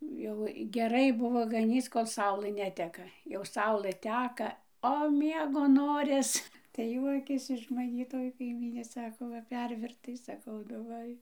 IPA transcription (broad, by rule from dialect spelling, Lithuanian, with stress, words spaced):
jɛʊ ɡʲɛˈrɐɪ ˈbʊʋoː ɡɐˈnʲiːt͡s ˈkoːlˠ ˈsɐʊlˠɘ ˈnʲæːtʲɛkɐ jɛʊ ˈsɐʊlˠɘ ˈtʲæːkɐ oː ˈmʲiɛɡoː ˈnoːrʲɪs tɐɪ ˈjuɔkʲeːs ɪʃ mɐˈnʲiː toːj kɐɪˈmʲiːnʲeː ˈsɑːkoː ˈʋɐ ˈpʲɛrʲʋʲɪrtɐɪ sɐˈkɐʊ nʊ ˈʋɐ ɪ